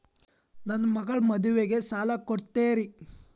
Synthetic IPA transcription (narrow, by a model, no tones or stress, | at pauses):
nɐnːɐmɐɡɐɭmɐd̪uʋeɡe̞saːlakoɽt̪eːɾi